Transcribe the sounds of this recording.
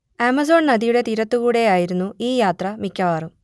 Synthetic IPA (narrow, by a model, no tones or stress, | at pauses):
emɐzo̞ːɳnɐd̪ijuɽe̞t̪iɾɐt̪ːukuːɽe̞jaːjiɾunːuiːjaːt̪rɐmikʲːɐʋaːrum